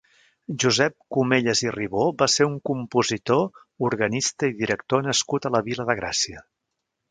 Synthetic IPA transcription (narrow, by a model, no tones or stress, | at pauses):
ʒuzɛp̚kumeʎəziriβobaseɾuŋkumpuzit̪o | uɾɣənist̪əiðiɾək̚t̪onəskut̪ələβiləðəɣɾa̰siə